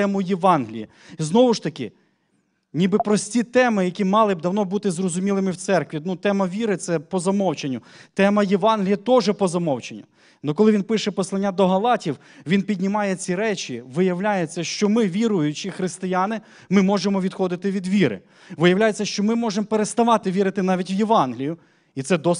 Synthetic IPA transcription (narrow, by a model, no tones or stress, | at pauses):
ɛmʊjɪʋɑnɦlʲḭji | znɔʋʊʃt̪ɐkʲɪ | nʲibɪpɾɔsʲtʲit̪ɛmɪjɐkʲimɑlˠɪbd̪ɐwn̪ɔbut̪ɪzrɔzʊmʲilˠɪmɪwt̪sɛrkʋʲinut̪ɛmɐʋʲiɾɪt̪sɛpɔzɐmɔwt͡ʃenʲːʊt̪ɛmɐjɛʋɑnɦlʲijɐt̪ɔʒɛpɔzɐmɔwt͡ʃenʲːʊ | nɔkɔlˠɪʋʲinpɪʃɛpɔslˠɐnʲːad̪ɔɦɐlˠɑtʲiw | ʋʲinpʲidʲnʲimɑjet͡sʲiɾɛt͡ʃiʋɪjɐwlʲajet͡sʲːɐʃt͡ʃɔmɪʋʲiɾʊjʊt͡ʃɪxɾɪst̪ɪjanɪ | mɪmɔʒemɔʋʲid̪xɔd̪ɪt̪ɪʋʲid̪ʋʲiɾɪ̰ | ʋɪjɐʋwlʲajet͡sʲːɐʃt͡ʃɔmɪmɔʒempeɾest̪ɐʋɑt̪ɪʋʲiɾɪt̪ɪnɑʋʲitʲʋjeʋɑnɦlʲijʊ | it̪sɛd̪ɔ